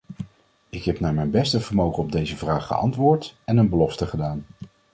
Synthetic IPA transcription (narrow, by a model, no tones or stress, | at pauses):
ɪkɦɛpnaːɹmɛjnbɛstəvəɹmowχənɔb̚dejzəvraːχːə̰ʔɑ̰ntʋʊːɹtɛnənbəlɔftəχədaːn